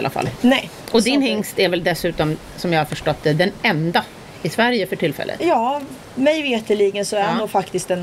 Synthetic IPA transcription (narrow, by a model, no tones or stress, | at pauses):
lʔa̰fa̰lːnɛʔɔd̪ɪnhɪŋst̪æɾvɛld̪ɛsʉ̟ːt̪ɔm | sɔmjɑhaɾfœʂʈɔt̪ːd̪ɛd̪ɛnɛnd̪a | ɪsvæɾjəfœʈʰɪlːfɛ̰lːə̰jɑː | mɛjveːt̪ɪliːɡənsɔæuːfakt̪ɪst̪ɛn